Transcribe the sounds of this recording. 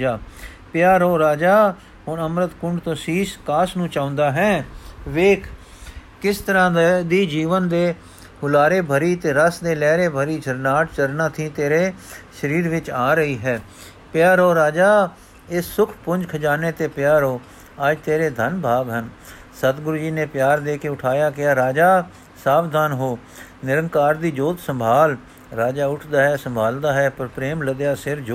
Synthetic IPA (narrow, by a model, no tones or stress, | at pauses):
aː | pɪjaːɾoːɾaːd͡ʒaː | ɦʊɳəmɾət̪kʊɳɖt̪õːsiːskaːsnũːt͡ʃãːʊ̃nd̪aːɦɛːʋeːkʰ | kɪst̪əɾãːd̪iːd͡ʒiːʋənd̪eː | hʊlaːɾeːbʱəɾiːt̪eːɾəsd̪eːlɛːɾeːbʱəɾiːd͡ʒəɾnaːʈt͡ʃəɾnãːt̪ʰĩːt̪eːɾeːʃəɾiːɾʋɪt͡ʃaːɾəiːɦɛː | pɪjaːɾɦoːɾaːd͡ʒaː | esʊkʰpʊ̃ɲd͡ʒkʰəd͡ʒaːnet̪epjaːɾɦoː | aːd͡ʒt̪eːɾed̪ʱənbʱaːbɦən | sət̪ɡɾʊd͡ʒiːnepjaːɾd̪eːkeʊʈʰaːjaːkɪjaːɾaːd͡ʒaː | saːʋd̪ʱaːnɦoː | nɪɾə̃ŋkaːɾd̪iːd͡ʒoːt̪sə̃mbʱaːl | ɾaːd͡ʒaːʊʈʰd̪aːɦɛːsə̃mbʱaːld̪aːɦɛːpəɾpɾeːmləd̪jaːsɪɾd͡ʒo